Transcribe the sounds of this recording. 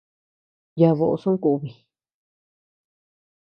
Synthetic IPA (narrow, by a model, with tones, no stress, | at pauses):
ja˧βo˧ʔo˧sũ˦ku˧βi˨